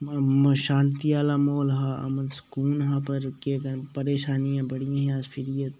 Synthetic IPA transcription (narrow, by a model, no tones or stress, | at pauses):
ʃaːnt̪iaːlamoːlɦaːɐ̰mənskuːnɦãːpɐɾkekɐpɐɾeːʃaːnijãbɐɽijãɦɛ̃ɐspʰɪɾijət̪